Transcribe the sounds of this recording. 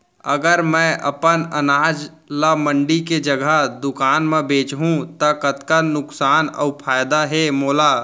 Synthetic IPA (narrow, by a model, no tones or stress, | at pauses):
əɡəɾmɛ̃ʔə̰pənənaːd͡ʒlamə̃ɳɖiked͡ʒəɡʱəd̪ʊkaːnmẽbeːt͡ʃɦũt̪əkət̪kanʊksaːnɔ̰ːpʰaːjd̪aɦɛmoːlaː